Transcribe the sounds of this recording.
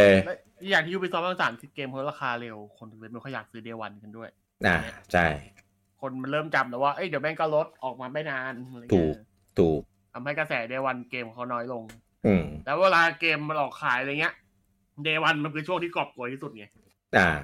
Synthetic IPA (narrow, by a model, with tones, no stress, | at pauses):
e˧lɛ˦˥ | a˧˩jaː˨˩k̪̚ʰi˥˩juː˥pe˧sɔː˦˥p̚ʰa˧ŋsaː˩˦mkʰɯ˧keː˧mk̚ʰːɾaː˧xʰaː˧le˧wkʰo˧nt̪ʰɯ˨˩we˦˥miː˧˩kʰɔ˥˩jaː˨˩k̚sɯː˦˥deː˧wa˧nka˧ndu˥˩əj | ʔa̰ː˧˩t͡ɕʰa˥˩j | kʰo˧nma˧nɾɤː˥˩mt͡ɕa˨˩p̚lɛː˩˦waː˥˩ʔɤ˦˥˩jdi˩˦mɛː˥˩ŋkɔ˧˩lo˦˥t̪̚ʔɔː˨˩k̚maː˧ma˥˩jnaː˧n˧tʰuː˦˨˩ | t̪ʰuː˨˩k̚t̪ʰa˧mha˥˩jka˧sɛː˩˦deː˧wa˧nkeː˧mkːkʰa˦˥wnɔː˦˥jlo˧ŋ | ʔɯː˧˩lɛː˦˥weː˧laː˧keː˧mːa˧nʔɔː˨˩kʰːaː˩˦jŋi˦˥ɐ | deː˧wa˧nma˧˥nkʰɯː˧t͡ɕʰu˥˩əŋt̪ʰiː˥˩kɔ˨˩p̚ku˨˩iː˥˩su˨˩t̪̚ni˧˩ | ʔaː˧˩